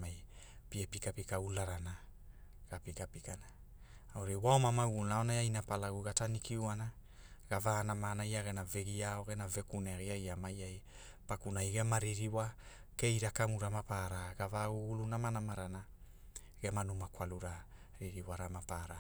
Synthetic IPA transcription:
majpiepikapikaulaɾana | ɡ̥apikapikana | aoɾewaomamauɡulnaonajajnapalaɡuɡatanikiuana | ɡ̥avaːnamanajaɡe̞naveɡiaoɡenave̞kuneɡajamajaj | pakunajɡe̞maɾiɾiwa | ke̞jɾakamuɾamapaɾaɡavauɡulunamanamaɾana | ɡ̥e̞manumakwaluɾa | ɾiɾiwaɾamapaɾa

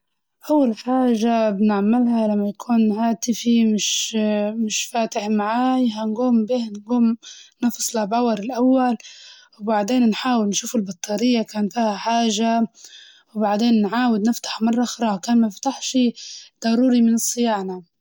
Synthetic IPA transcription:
ʔawːalħaːʒabɪnɪʕmːɪlhalamːajakʰuːnhaːt̪ɪfimɪʃmɪʃfaːt̪ɪħmaʕaːjɦanɡuːmbiːhnɡuːmnɑfsˤlabawɑɾˤɪlʔawːal | wbaʕd̪eːnnħaːwɪlnʃuːfɪlbɑt̪ˤːɑːɾɪjːakaːnfiːhaħaːʒa | wbaʕd̪eːnːʕaːwɪd̪nɪft̪ḁħmɑrˤːɑʔxɾˤɑːkaːnmaɪft̪aħʃid̪̥ˤɑɾuːɾimɪnɨsˤːɨjaːʕna

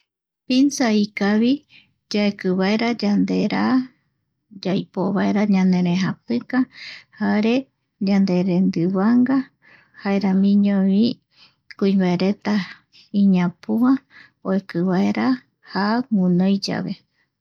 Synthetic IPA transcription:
pinsaikaβi | d͡ʒaekɨβaeɾad͡ʒand̪e̞ɾa | d͡ʒajpoβaeɾaɲãnẽ̞ɾẽɦapɨkahaɾe̞ | d͡ʒand̪e̞ɾend̪ɨβaŋɡa | haeɾamĩɲõβĩ | kũĩmbaeɾe̞t̪a | iɲãpua | oekɨβaeɾa | haŋunõjd͡ʒa̰βe̞

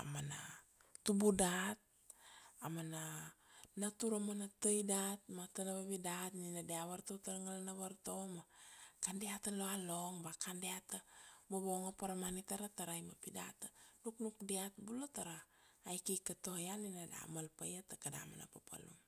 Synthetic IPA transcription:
a̰mana̰ | tubudat̪̚ | amana | nat̪uɾamanat̪əjdat̪̚mat̪anaβaβidat̪ninadeaβaɾt̪ot̪aɾaŋalanaβaɾt̪omakandeat̪aloaloŋbakandeat̪amoboŋapaɾamanit̪aɾat̪aɾajmapida̰t̪anuknuk̚diat̪̚bulot̪aɾaːjkikat̪ohajaninada̰malpajat̪akada̰ma̰na̰papʰa̰lṵn

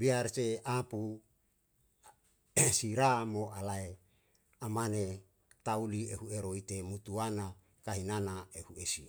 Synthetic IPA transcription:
biarseapu | siɾamoʔalae | amane | t̪aulieɦueɾoit̪emut̪uana | kaɦinanaehuesi

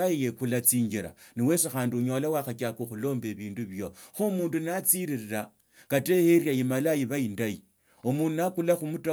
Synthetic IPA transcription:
aijekulat͡siːɲɡiɾa̰niwe̞sexaːndiuɲo̞lawaxakakoxulo̞ːmbe̞βiːnduβjo̞xomuːndunat͡siɾirira | kateheɾjajimalajiβaindaji | omuːndunakulaxumuta

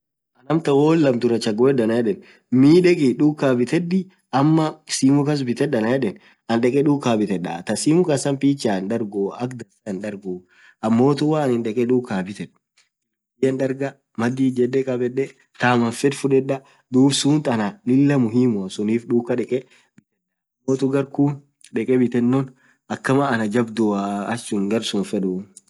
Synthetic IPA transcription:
ʔɐnɐmt̪ɐwoːlːɐmt̪ʊɾɐt͡ʃɐɡoɛdɐnɐjɛᶑɛn | miːᶑɛkʼɪᶑuːkːaːbɪt̪ɛd̪ɪ | ɐmːɐsiːmʊkɐs̬bɪt̪ɛɗɐnɐjɛᶑɛn | ʔɐnɗɛkʼɛᶑuːkːaːbɪt̪ɛᶑːɐ̰t̪ɐsiːmʊkɐsɐmpiːt͡ʃːaːndɐɾɡoːɐkd̪ɐsɐnᶑɐɾɡoː | ʔɐmːo̞ːt̪ʊwaːɐnɪnɗɛkʼɛᶑuːkːaːbɪt̪ɛᶑ | ɪjɐnᶑɐɾɡɐ | mɐd̪iːd͡ʒɛɗːɛkʼɐbɛɗːɛ | t̪aːmɐnfɛᶑ̪fʊᶑɛᶑɐ | d̪uːbsuːnt̪ɐnanɪlːɐmʊɦiːmʊɐsʊniːfᶑuːkːɐᶑɛkʼɛ | bɪt̪ɛn | ɐmːoːt̪ʊɡɐɾkuːn | ᶑɛkʼɛbɪt̪ɛnːɔn | ʔɐkːɐmaːnɐd͡ʒɐbd̪ʊaɐt͡ʃːʊŋɡɐɾsʊnfɛᶑʊ

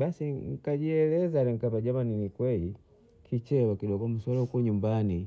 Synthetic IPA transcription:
ɓasiŋ̩kaɟiɛlɛzalɛŋ̩kapaɟamaninikwɛi | kʰit͡ʃɛwakiɗɔɡɔm̩swalaukɲumbani

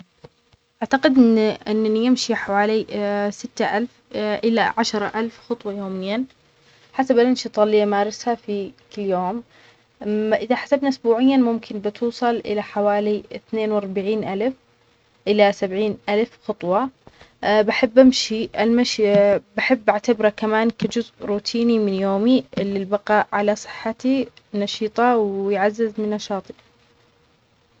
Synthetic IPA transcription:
ʔʔaʕt̪aqɪd̪ɪʔɪnːjɪmʃiħawaːlisɪt̪ːaʔalfʔɪlːa̰ʕaʃɾˤɑʔalfxʊt̪ˤwɑjoːmɪjːa | ħasabʔalʔɪnʃit̪ˤɑlːiːamaːɾˤɪshafikɪlːjoːm | ʔɪðaħḁsabnaʔʊsbuːʕɪjːanmʊmkʰɪnbɪt̪uːsˤɑlʔɪ̰laħawaːliɪθneːnwɑɾˤbaʕiːnʔalf | ʔɪlasabʕiːnʔalfxʊt̪ˤwɑ | baħabːʔamʃiʔalmaʃbaħɪbːʔaʕt̪abɾakamaːnkad͡ʒʊzʔɾuːt̪ʰiːnimɪnjoːmiʔɪlːilbɑqɑːʔʕalasˤɨ̥ħːat̪inɑʃiːt̪ˤɑwjʕazːɪzmɪnːɑʃɑːt̪ˤi̥

